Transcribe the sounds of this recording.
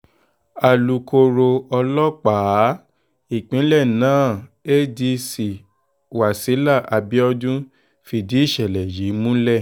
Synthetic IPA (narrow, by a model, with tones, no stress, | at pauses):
a˨lu˨ko˧ɾo˧ɔ˧lɔ˦k͡paː˨˦ | i˨k͡pĩ˨˦lɛ˦˨nãː˨˦˨e˦di˧si˨ | wa˨si˨˦la˦˨ʔa˧bi˦ɔ˦dũ˦ | fi˧di˨˦i˦˨ʃɛ˨lɛ˨ji˨˦mũ˦lɛ˦˨